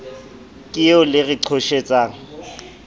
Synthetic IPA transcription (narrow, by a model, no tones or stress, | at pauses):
kʼɪʊlɪrɪǀʰoʃet͡sʼaːŋ̩